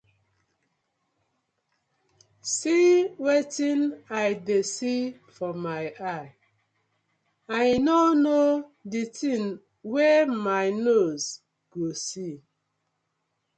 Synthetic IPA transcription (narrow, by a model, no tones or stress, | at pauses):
siwetĩnajdesifɔmaɪaɪ | ajnɔnoditĩn | wɛmaɪnoz | ɡ̥osi